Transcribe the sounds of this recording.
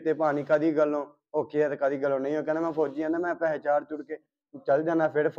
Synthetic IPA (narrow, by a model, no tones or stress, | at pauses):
t̪eːpaːñiːkəd̪iːɡəlːõː | ɦoːkeːɛːt̪ːkəd̪iːɡəlːõːnə̃ĩːɦoːkeːnaːmɛ̃ːpʰoːd͡ʒiːãːnaːmɛ̃ːpɛːɦet͡ʃaːɾt̪ʊɽkeː | t͡ʃəld͡ʒãːnaːpʰɪɾpʰ